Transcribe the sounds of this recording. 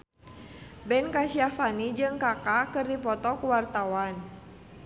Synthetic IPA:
bɛnkasiafanid͡ʒɨŋkakakɨrdipɔt̪ɔkuwart̪awan

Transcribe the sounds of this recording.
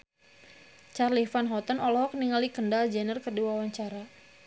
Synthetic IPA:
t͡ʃarlifanɦɔt̪ənɔlɔɦɔk̚niŋalikəndald͡ʒɛnərkərdiwawaɲt͡ʃaɾa

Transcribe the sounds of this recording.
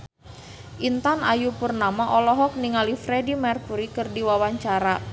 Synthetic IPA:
ʔint̪anajupurnamaʔɔlɔɦɔk̚niŋalifɾedimɛrkuɾikɨrdiwawaɲt͡ʃaɾa

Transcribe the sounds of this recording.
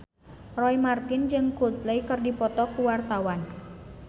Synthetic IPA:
rɔimart̪ɪnd͡ʒɨŋkut̪lejkərdipɔt̪ɔkuwart̪awan

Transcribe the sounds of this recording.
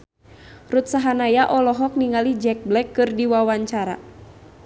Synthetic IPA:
rut̪̚saɦanajaʔɔlɔɦɔk̚niŋalid͡ʒɛk̚blɛkːɨrdiwawaɲt͡ʃaɾa̰

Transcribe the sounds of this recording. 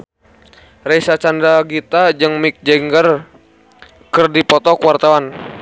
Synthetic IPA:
rɛsat͡ʃandaɡit̪ad͡ʒɨŋmik̚d͡ʒɛŋɡər | kərdipɔt̪ɔkuwart̪awan

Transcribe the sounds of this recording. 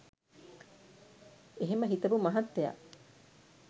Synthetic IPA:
eɦemɐɦit̪ɐbumɐɦɐt̪ːeja̰ʔ

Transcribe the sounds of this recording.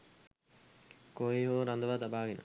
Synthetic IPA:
koeɦoːɾand̪əʋaːt̪abaːɡenə̰

